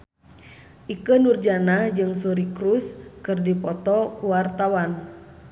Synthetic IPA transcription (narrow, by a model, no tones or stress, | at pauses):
ʔikənurd͡ʒanad͡ʒɨŋsuɾikɾuskɨrdipɔt̪ɔkuwart̪awan